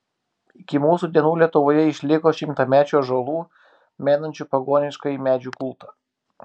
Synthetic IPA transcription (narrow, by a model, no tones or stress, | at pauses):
ɪkʲɪmuːsud̪ʲiɛnuːlʲiɛt̪ʊʋoːjɛɪʃʲlʲɪkoːʃʲɪmt̪ɐmʲæːt͡ʃʲoːʒolˠuː | mʲeːnɐnʲt͡ʃʲupɐɡoːnʲɪʃkɐimʲæːd͡ʒʲuːkʊlˠt̪ɐ